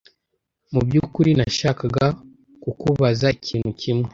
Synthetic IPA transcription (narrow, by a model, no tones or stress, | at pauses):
mubjuːkuɾinaʃakaɡa | kukuβazaicʰiːn̥hucʰimŋe